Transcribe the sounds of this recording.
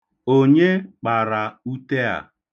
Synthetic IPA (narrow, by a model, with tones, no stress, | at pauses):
o˦ɲe˦k͡pa˨ɾa˨u˦te˦a̰˨